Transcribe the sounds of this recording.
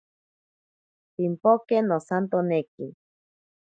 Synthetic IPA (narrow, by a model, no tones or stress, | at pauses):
pimpokenosant̪oneki